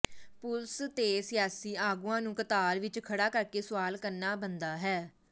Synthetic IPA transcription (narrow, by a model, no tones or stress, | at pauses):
pʊlst̪eːsɪjaːsiːaːɡũːãːnũːkət̪aːɾʋɪt͡ʃkʰəɽaːkəɾkeːsʊʋaːlkəɾnaːbənd̪aːɦɛː